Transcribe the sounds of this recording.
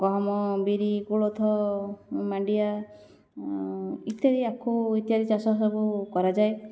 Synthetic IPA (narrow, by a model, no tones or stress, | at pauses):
ɡɔɦɔmɔbiɾikuɭot̪ʰɔ | maɳɖija | it̪eɾiakʰuit̪ijaɾit͡ʃasɔs̬ɔbukɔɾad͡ʒaej